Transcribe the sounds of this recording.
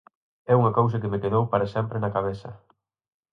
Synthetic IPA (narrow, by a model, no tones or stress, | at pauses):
ɛuŋɐkows̬ɐkemekeðowpaɾɐsɛmpɾenɐkaβ̞eθɐ̰